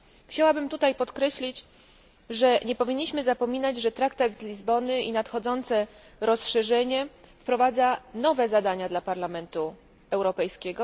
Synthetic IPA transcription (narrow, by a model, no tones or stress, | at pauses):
xt͡ɕawabɘmt̪ut̪ajpɔt̪kɾɛɕlʲit͡ɕ | ʐɛɲɛpɔvʲiɲːiɕmɘzapɔmʲinad͡ʑʐɛt̪ɾakt̪ad̪zlʲizbɔnɘḭnat̪xɔd̪zɔnt̪sɛ | ɾɔsʂɛʐɛɲɛfpɾɔvad̪zanɔvɛzad̪aɲad̪lapaɾlamɛnt̪u | ɛwɾɔpɛjskʲɛɡɔ